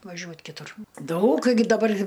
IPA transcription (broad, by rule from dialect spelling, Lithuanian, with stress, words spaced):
ʋɐˈʒʲuɔt kʲɪˈtʊr ˈdɐʊk ɡʲɪ dɐˈbɐrʲ